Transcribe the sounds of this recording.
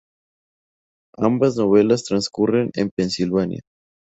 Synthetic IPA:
ambaznoβ̞e̞last̪ɾanskurenḛmpensilβanja̰

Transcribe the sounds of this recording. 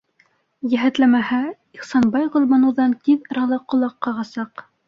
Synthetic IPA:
jæɦæt̪læmæhæ | iχsɑnbɑjʁŏlˠmɑnɤ̆wðɑnt̪iðɾɑlˠɤqːŏlˠɑqːɑʁɑsɑq

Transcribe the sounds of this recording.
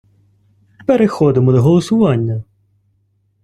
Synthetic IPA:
peɾexɔd̪ɪmɔd̪ɔɦɔlˠɔsʊʋɑnʲːɐ

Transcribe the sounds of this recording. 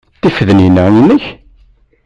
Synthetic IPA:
θifəðənjənːæinːəç

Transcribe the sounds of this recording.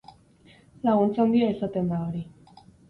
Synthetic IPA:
laɣunt͡sand̪iaesat̪end̪aɾi

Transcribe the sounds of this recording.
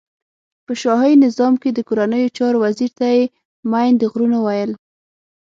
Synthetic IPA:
pəʃɑɦajinɪzɑmked̪əkoɾanəjot͡ʃɑɾowaziɾt̪aje | majnd̪əɣɾunowajəl

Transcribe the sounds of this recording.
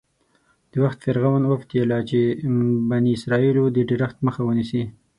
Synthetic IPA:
d̪̥əwaxt̪feɾɣawanwaft̪jelɑt͡ʃebaniɪsɾɑilod̪əɖɪɾaxt̪məxawənisi

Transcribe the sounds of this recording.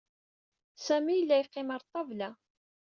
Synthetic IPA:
sæmijəlːæjqːɪmɑɾˤt̪ˤːɑvlæ

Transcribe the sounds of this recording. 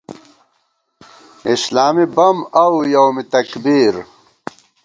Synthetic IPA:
islaːmibɐmɐwjɐwmit̪ɐkbiːɾ

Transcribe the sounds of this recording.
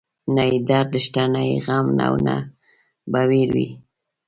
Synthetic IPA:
najid̪aɾd̪əʃʈanajiɣamna̰wna | bawiɾwḭ

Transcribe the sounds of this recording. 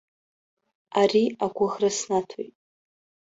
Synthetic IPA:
ariaɡʷʊʁrasnatʰojtʼ

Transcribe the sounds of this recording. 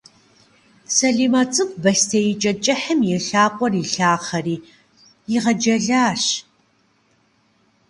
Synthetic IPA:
sɐɮiːmɐt͡sʼɨk̚ʷʰʼbɐstʰɐjɪt͡ʃʼɐt͡ʃʼɐħəmjɛɬaːqʷʼɔriːɬaːχɐriː | jɪʁɐd͡ʒɐɮaːɕ

